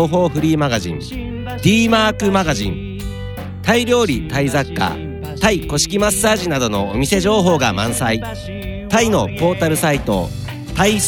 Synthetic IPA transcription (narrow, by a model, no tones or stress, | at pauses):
ɦo̞ːɸɯ̟ɾʲiːmaɡaʑḭ̃n | d̪̥ʲiːmaːkɯ̟maɡaʑḭ̃n | t̪aiɾʲjo̞ːɾʲit̪aizakːa̰ | t̪aiko̞ɕi̥kʲimasːaːʑinad̪o̞no̞o̰mʲise̞ʑo̞ːɦo̞ːɡamã̰ɰ̃sai | t̪aino̞po̞ːt̪aɾɯ̟sait̪o̞̰ | t̪ai